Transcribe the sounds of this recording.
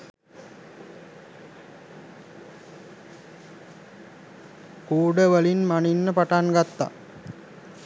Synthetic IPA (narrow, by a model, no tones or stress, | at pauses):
kuːɖəʋəlinmaninːəpaʈanɡat̪ːa̰